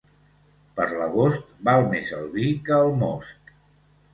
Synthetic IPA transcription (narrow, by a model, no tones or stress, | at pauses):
pəɾləɣost̪balˠmezə̰lˠβikəːlˠmɔ̰st̪